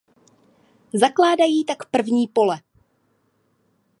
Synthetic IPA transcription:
zaklaːdajiːt̪akpr̩vɲiːpo̞lɛ

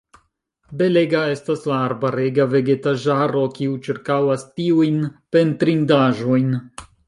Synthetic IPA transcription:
be̞le̞ɡae̞staslaːɾbaɾeɡave̞ɡe̞taʒaɾo̞kiut͡ʃiɾkawastiujnpe̞ntɾindaʒo̞jn

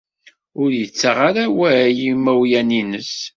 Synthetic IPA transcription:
ʊɾjət͡sːaʁaɾawæjimæwjæninəs

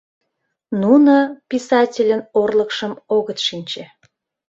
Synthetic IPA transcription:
nunəpisɑtʲelʲənorləkʃəmoɣət̪ʃinʲt͡ɕe

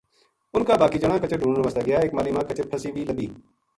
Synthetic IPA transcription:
ʊnkaːbaːkiːd͡ʒəɽ̃ãːkət͡ʃəɖʱũːɳɳʋəst̪aːɡɪjaːeːkmaːliːmãːkət͡ʃəpʰəsiːʋiːləbiː

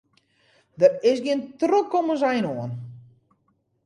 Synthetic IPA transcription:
dətɪsɡiəntrokomənzɛjnoən

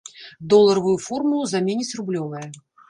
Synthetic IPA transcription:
d̪ɔlˠːɐɾɐvujufɔrmulˠuzamʲenʲisʲrublʲɔvɐjɐ

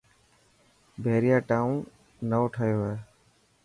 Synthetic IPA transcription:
bʱeːɾɪjaːʈaːũn | nəoːʈʰaːjoːɛː

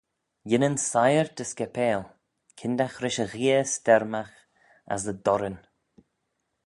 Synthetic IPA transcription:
jɪnənsajəɹd̪əskɛpʰeːl | kʰɪnd̪axɾɪʃəɣiːəst̪ɛɾmax | a̰sðəd̪ɔɾən

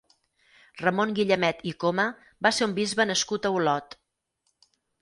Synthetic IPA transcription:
rəmoŋɡiʎəmɛt̪ikomə | baseumbizβənəskut̪əulɔt̪

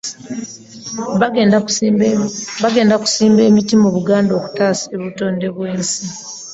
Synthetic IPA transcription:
βaɡe̞ːndaku̥siːmbe̞ːmitimuβuɡaːndo̞ːku̥taːsieβuto̞ːnde̞βwe̞ːnsi

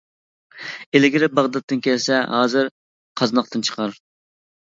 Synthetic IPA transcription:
elɪɡʲɪɾɪbɑʁd̪ɑt̪ːɨnkʲʰɛlsɛɦɑːzɨɾ | qʰɑznɑqt̪ɨnt͡ʃʰə̥qʰɑɾ

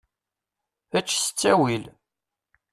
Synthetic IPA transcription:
æt͡ʃːsə̥t͡sːæwil

